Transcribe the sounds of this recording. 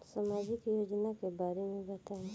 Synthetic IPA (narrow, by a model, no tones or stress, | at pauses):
samaːd͡ʒɪkjoːd͡ʒnakebaːɾemẽbɐt̪aːẽ